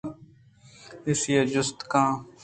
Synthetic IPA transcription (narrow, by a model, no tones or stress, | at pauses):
ɪsjed͡ʒʊst̪kãː